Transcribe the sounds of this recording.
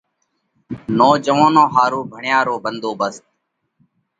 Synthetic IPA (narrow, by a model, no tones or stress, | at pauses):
noːd͡ʒəʋãːnõːɦaːɾuːbʱəɳjaːɾoːbənd̪ʱoːbəst̪